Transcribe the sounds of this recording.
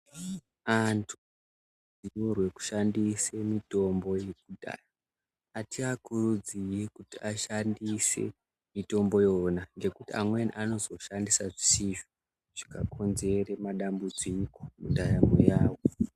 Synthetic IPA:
antʰu̥ | d͡ziworwe̞ku̥ʃandise̞mito̞mbo̞je̞k̚udʱa̰raː | tiakurud͡zije̞kutiaʃandise̞̰ | mito̞mbo̞jonanɡe̞kutia̰mwenḭʔano̞zo̞ʃandisaʐisiʒo | ʐ̥ikakʰo̞nze̞remaɗambud͡zikomundajamo̰jaːwo

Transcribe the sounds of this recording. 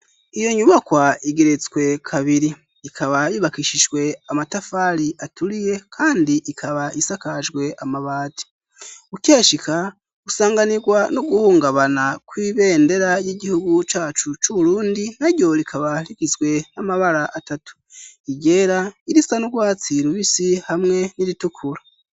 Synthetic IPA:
ijo̞ɲuβakwaiɡe̞ɾe̞t͡sɡwe̞kʰaβiɾi | ikʰaβajiβakiʃiʒɡwe̞amatafaːɾiʔatuɾije̞kʰaːndiʔikʰaβaisakaʒɡwe̞ʔamaβaːti̥ | ukeːʃika | ɡusaːŋɡaniɡwanuɡuhuːŋɡaβanakwiːβe̞ːnde̞ɾajiɟihuɡut͡ʃaːt͡ʃut͡ʃuβuɾuːndiaɾɟo̞ɾikʰaβaliɡizɡwe̞namaβaɾaʔatatu̥iɟe̞ːɾaiɾisanuɡwaːt͡siɾuβisihamŋe̞niɾitukʰuɾa

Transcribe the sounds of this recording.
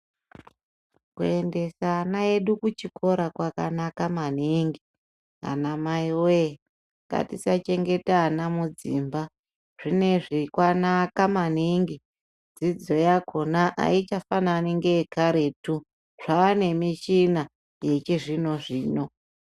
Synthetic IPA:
kue̞nde̞sanae̞ɗukut͡ʃikʰo̞ɾakwakanakamaniŋɡi | a̰namaiwe | ŋɡa̰tisat͡ʃe̞ŋɡe̞taːnamud͡ziːmba | ʐ̥ine̞ʐikwanakamaniŋɡi | d͡zid͡zo̞jakʰo̞naʔa̰it͡ʃafananiŋɡekaɾe̞tu | ʐ̥aane̞miʃina | je̞t͡ʃeʐino̞ʐiːno̞

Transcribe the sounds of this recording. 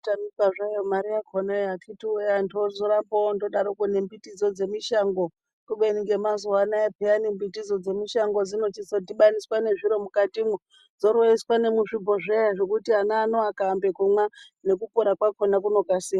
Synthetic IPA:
tamikaʐajomaɾijakʰonaakʰitiejandozoɾapondo̞ɗaɾokonembitid͡zo̞d͡ze̞miʃaŋɡo | kuɓeniŋɡe̞mazuwanaepeanimbitid͡zo̞d͡ze̞miʃaŋɡo̞d͡zino̞t͡ʃisodiɓaniswane̞ʐiɾo̞mukatimu | d͡zo̞ɾweiswane̞muʐibʱo̞ʐejaʐe̞kutianaːnoakaːmbe̞kumwa | ne̞kupoɾakwakonakuno̞kasia

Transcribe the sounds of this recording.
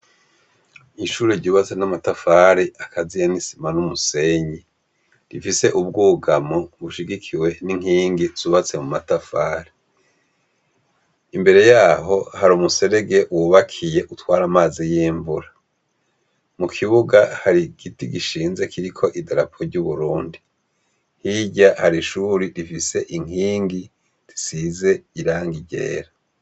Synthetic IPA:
iʃuːɾiɾɟuːβat͡senamatafaːɾeʔakʰazijanisi̥manumuse̞ɲi | ɾifise̞ʔubɡuɡamoβuʃiɡikʰiwe̞niŋ̥iːŋɡiz̥uːβat͡se̞mumatafaːɾe | imbe̞ɾe̞jaːɦo̞haɾumuse̞ɾeɡe̞ʔwuβakʰije̞ʔutwaːɾamaːzijiːɱvuɾa | mukʰiβuɡahaɾiɡ̥itiɡiʃiːnze̞kiɾikʰo̞ʔidaɾapʰoɾɟuβuɾuːndi | hiɟahaɾiʃuɾiɾifise̞ʔiŋ̥iːŋɡi | ɾi̥size̞iɾaːŋɡiɟe̞̰ːɾa

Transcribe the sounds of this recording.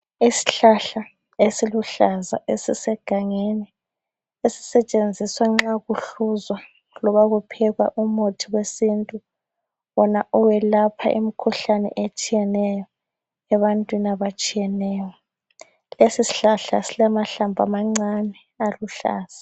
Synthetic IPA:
isi̥ɬaɬa | esiluɬaza̰ʔesisɛɡ̥ʱaŋenɛ | esi̥sɛt͡ʃʼend͡zʱiswaŋ͡ǁaɣuɬuzwa | lɔβaɣupʰɛɣwa̰ʔumotʰiwesintʼu | βɔnaʔuwɛlapʰa̰ʔim̩kʰuɬanɛ̰ʔet͡ʃʼijɛnɛjɔ | ɛβantʼwinaβat͡ʃʼijɛnɛːjɔ | lesisi̥ɬaɬa̰silamaɬambʱamaŋ͡ǀanɛ | aluɬa̰ːz̥a

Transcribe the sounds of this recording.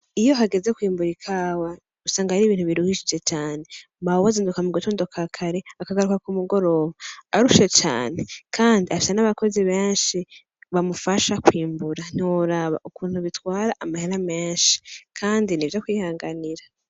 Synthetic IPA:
ijo̞ɦaɡe̞ze̞kwiːmbuɾikʰaːwa | usaːŋɡahaɾiːβiːn̥huβiɾuhiʃid͡ʒe̞t͡ʃaːne̞ | mawazindukamuɡutoːndokʰakʰaɾe̞akaɡaɾukakumuɡo̞ɾo̞ːβaaɾuʃet͡ʃa̰ːnekʰaːndiafi̥senaβako̞ziβe̞ːnʃi | βamufaʃakwiːmbuɾan̥iwoɾaβa̰ʔukuːn̥huβitwaːɾaʔamaheɾameːnʃi̥kʰaːndinivjokwiːhaːŋɡaniɾa

